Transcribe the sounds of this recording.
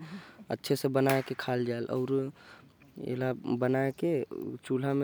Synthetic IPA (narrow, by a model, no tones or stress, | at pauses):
ə̰tːʃʰesẽbənaekekʰald͡ʒaelʔɔ̰ʊɾ | ḛlabənaeket͡ʃul̤ame